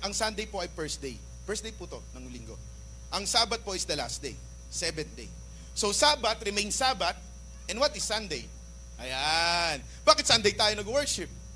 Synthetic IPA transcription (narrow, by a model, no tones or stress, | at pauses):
ʔɐŋsɐnd̪ejpo̞ɐjpɛɹsd̪ej | pɛɹsd̪ejput̪onɐŋliŋɡo̞̰ | ʔɐŋsaːbɐt̪̚po̞ʔɪsd̪ɐla̰s̚d̪ḛj | sɛbɛ̃n̚d̪ej | sosaːbɐt̪ɾɪmejnsaːbɐt̪̚ | ʔɛ̃nd̪wɐt̪ɪsːɐnd̪ej | ʔɐjan | baːkɪt̪sɐnd̪ejt̪aːjonɐɡwɛɹʃɪp̚